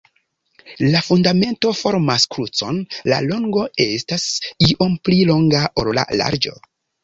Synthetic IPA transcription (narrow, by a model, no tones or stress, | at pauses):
lafundame̞nto̞fo̞ɾmaskɾut͡so̞nla̰lo̞ŋɡo̞e̞stasiʔo̞mplilo̞ŋɡaʔoɾola̰la̰ɾd͡ʒo̞̰